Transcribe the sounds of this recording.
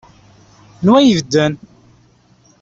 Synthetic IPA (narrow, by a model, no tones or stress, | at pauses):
nwæjəvd̪ːən